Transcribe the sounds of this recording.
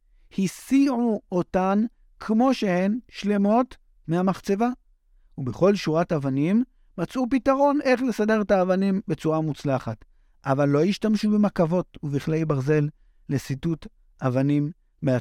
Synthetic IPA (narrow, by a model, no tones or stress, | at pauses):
hisiʕuotan | kʰmo̞ʃe̞he̞nʃle̞mo̞t | mehamaχt͡se̞va | ubeχo̞lʃuʁatavanimː | at͡sʔup̬itaʁo̞nʔe̞χle̞sade̞ʁetaːvanimbe̞t͡suʁamut͡slaχat | ʔavalːo̞jiʃtamʃubemakavo̞tuviχlejbaʁze̞lː | esitut | ʔavanimː | ea